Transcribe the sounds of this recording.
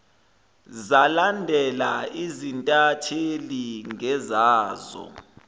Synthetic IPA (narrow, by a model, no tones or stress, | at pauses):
zalandʱɛlaizintʼatʰeliŋɛzaːzɔ̰